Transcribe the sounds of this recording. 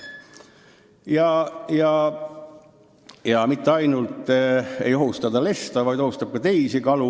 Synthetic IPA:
jɑjɑ | jɑmit̪ːeɑjnult̪ˑːḛjo̞ɦust̪ɑd̪ɑle̞st̪ɑvɑjd̪o̞hust̪ɑb̥̚kɑt̪e̞isikɑlu

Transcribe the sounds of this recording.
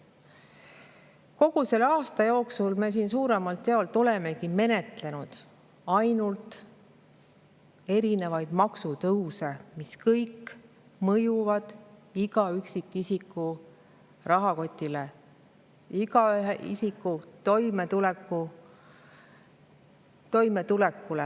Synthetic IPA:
ko̞ɡ̥use̞lɑːst̪ɑjo̞ːksulme̞s̬iːns̬uːɾe̞mɑlt̪ːeolt̪oleme̞kime̞ne̞t̪le̞nud̪̥ | ɑjnult̪ | e̞ɾine̞vɑjd̪̥mɑksut̪ɤwse̞miskɤjk | mɤjuvɑd̪̥iɡ̥ɑyksikˑːisikˑːu | rɑɦɑko̞t̪ʲːˑile | iɡɑɦʔḭsikːˑut̪o̞jmet̪ulekːu | t̪o̞jme̞t̪ulekːule

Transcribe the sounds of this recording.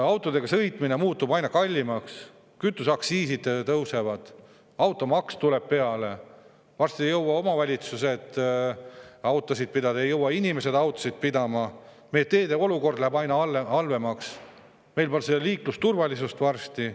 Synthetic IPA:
ɑwt̪ˑo̞d̪̥e̞ɡ̥ɑsɤ̞jt̪ˑmine̞muːt̪ːubɑjnɑkɑlʲːimɑks | kyt̪ːˑusɑksiːsid̪t̪ɤwse̞vɑd̪̥ | ɑwt̪ːˑo̞mɑkst̪uleb̥̚pe̞ɑle̞ | vɑrst̪iejɤwːɑo̞mɑvælʲit̪suset̪ˑː | ɑwt̪ːˑosid̪̥̚pid̪ɑd̪ɑejɤwːɑinʲime̞se̞d̪ɑwt̪ːˑosid̪̥̚pid̪ɑmɑ | mejet̪e̞ːd̪e̞o̞luko̞rd̪læhæbɑjnɑɑlːeɑlve̞mɑks | me̞jlpolseliːklust̪urvɑlʲis̬ust̪vɑrst̪i

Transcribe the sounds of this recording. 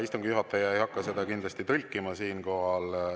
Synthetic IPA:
ist̪uŋɡjuɦɑt̪ːˑɑjɑejhɑkːˑɑse̞d̪̥ɑkind̪lɑst̪it̪ɤlʲkːˑimɑsiːnko̞ɦɑl

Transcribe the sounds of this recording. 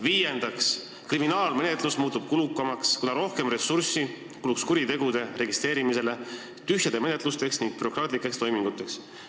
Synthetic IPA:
viːje̞nd̪̥ɑks | kriminɑːlme̞net̪ˑlusmuːt̪ːˑub̥̚kulukːˑɑmɑkskunɑɾo̞hke̞mre̞sursi | kulukskuɾit̪e̞ɡ̥ud̪̥e̞re̞ɡist̪ɾe̞ːɾimise̞le̞ | t̪yɦjɑd̪̥e̞me̞ne̞t̪ˑlust̪e̞ksniŋɡ̥̚pyɾo̞krɑːt̪ˑlikːˑe̞kst̪o̞jmiŋɡut̪ːˑe̞ks

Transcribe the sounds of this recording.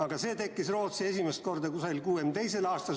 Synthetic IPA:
ɑɡ̥ɑse̞ːt̪e̞kːisro̞ːt̪sie̞sʲimest̪̚ko̞rd̪ɑkusɑlkuːemt̪e̞jse̞lɑːst̪ɑ

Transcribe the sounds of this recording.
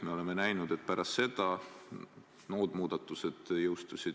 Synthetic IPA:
me̞o̞le̞me̞næjnud̪̥e̞t̪̚ːˑpæɾɑsse̞d̪̥ɑ | no̞ːd̪̥muːd̪ɑt̪ːˑuse̞d̪̥jɤwst̪usʲid̪̥

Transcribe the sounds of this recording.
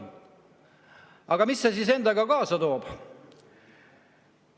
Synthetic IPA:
ɑɡ̥ɑmisːesise̞nd̪̥ɑɡɑkɑːsɑt̪o̞ːb̥

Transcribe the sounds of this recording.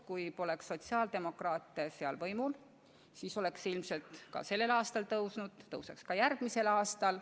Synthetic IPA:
kujpo̞lekso̞t̪siɑːld̪̥e̞mo̞krɑːt̪ːˑeseɑlvɤjmul | siso̞le̞ksilmse̞lt̪kɑ̰se̞lːe̞lɑːst̪ɑlt̪ɤwsnud̪̥ːɤwsekskɑjærɡ̥mise̞lɑːst̪ɑl

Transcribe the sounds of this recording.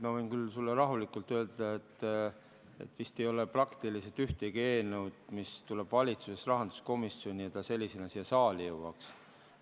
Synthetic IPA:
miɑvɤjnkylsulːeɾɑɦulikˑult̪ːˑøld̪̥ɑet̪ː | e̞̰t̪ːvist̪e̞jo̞leprɑkt̪iliset̪yht̪eɡie̞ːnewd̪̥mist̪ule̞b̥vɑlʲit̪suse̞srɑɦɑnd̪̥u̥sko̞misio̞nʲiɑt̪ɑse̞lʲːisenɑsijɑsɑːlijɤwɑks

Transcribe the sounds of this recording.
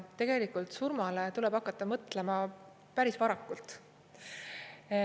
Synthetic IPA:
t̪e̞ɡ̥e̞likult̪surmɑlet̪ulɛ̞b̥ɑkːˑɑt̪ˑːɑmɤt̪ːˑle̞mɑ | pæɾisvɑɾɑkːˑult̪

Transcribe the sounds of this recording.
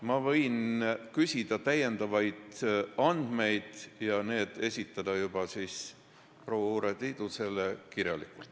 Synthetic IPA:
mɑvɤ̞jnkysʲid̪̥ɑt̪æjːe̞nd̪̥ɑvɑjd̪̥ɑnd̪̥me̞jd̪̥jɑne̞ːd̪̥e̞sʲit̪ːˑɑd̪̥ɑjub̥ɑsiːs | pro̞ːwɑuɾet̪iːd̪̥use̞lekirjɑlḭkːˑult̪

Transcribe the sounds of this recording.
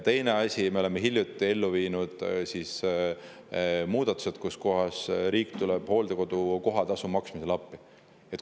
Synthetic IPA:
t̪e̞jneɑsʲimeo̞lemeɦilʲjut̪ˑːie̞lːuviːnud̪̥sis | muːd̪̥ɑt̪ːˑu̥se̞t̪̚kusko̞ɦɑsɾiːkt̪ulɛb̥ho̞ːld̪eko̞d̪̥uko̞ɦɑt̪ɑsumɑksmiselɑpːˑi | et̪

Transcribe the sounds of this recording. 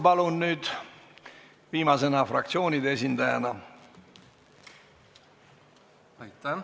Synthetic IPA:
pɑlunnyːd̪̥ | viːmɑse̞nɑfrɑ̰k̚t̪sio̞ːnʲid̪ees̬ʲind̪ɑjɑ̰nɑ | jt̪

